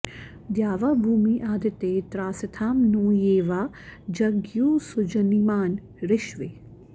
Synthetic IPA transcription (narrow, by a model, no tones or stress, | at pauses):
d̪jaːʋaːbʱuːmiːʔaːd̪ɪt̪eːt̪ɾaːsɪt̪ʰaːmnoːjeːʋaː | d͡ʒɐɡjuːsʊd͡ʒɐnimaːn | ɾɪʃʋe